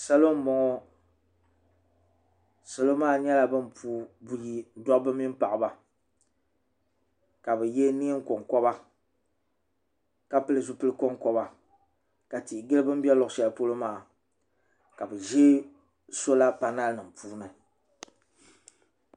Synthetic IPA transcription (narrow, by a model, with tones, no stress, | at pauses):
sa˦lo˦m˦mɔ˨ŋɔ˦ | sɛ˨lo˦maː˦ɲɛ˦la˨bɨ˦mpuː˦bu˨ji˦dɔ˦bɨ˦mi˦m˦pa˨ʔɨ˨ba˨ | ka˨bɛ˨jɛ˦ni˦ŋ̩˦ko˨ŋkɔ˦ba˦ | ka˦pɨ˦lɨ˦zu˦pɨ˦lɨ˦kɔ˦ŋkɔ˦ba˨ | ka˨ti˨ɡɨ˦lɨ˦bɨ˦m̩˦bɛ˦lɔ˨ʔʃɛ˨lpo˦lo˦maː˨ | ka˨bɨ˨ʒeː˦ | so˦la˦pa˨na˦lnɨ˨m˨pʰuː˦nɨ˨